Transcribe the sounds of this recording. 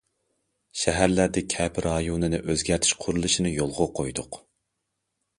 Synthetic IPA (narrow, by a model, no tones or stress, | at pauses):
ʃɛɦæɾlæɾd̪ɪkʲʰɛpʰɾɑjonɨnɨʔøzɡʲæɾt̪ʰɪ̥ʃqʰʊɾulˠɨʃinɨjolˠʁʊqʰojd̪ʊq